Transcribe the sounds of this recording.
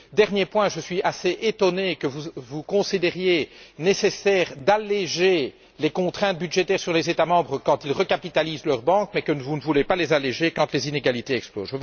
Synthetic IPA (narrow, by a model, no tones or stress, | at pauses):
d̪ɛʁnjepwɛ̃ʒəsɥiaseʔet̪ɔnekəvuvukɔ̃sid̪ɛʁjenesesɛːʁd̪aleʒe | lekɔ̃t̪χɛ̃t̪̚byd̪ʒet̪ɛːʁsyʁlezet̪amɑ̃bʁəkɑ̃t̪ilʁəkapit̪aliːzlœʁbɑ̃kmɛkənəvunəvulepalezaleʒekɑ̃t̪lezineɡalit̪eɛksplo̰zʒəv